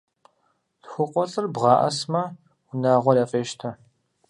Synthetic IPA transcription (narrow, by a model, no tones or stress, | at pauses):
ɬxʷʊqʷɔɬʼɨrbʁɑːʔɐ̰smɐ | wʊnaːʁʷɔrɐfʼeːʃtʰɐ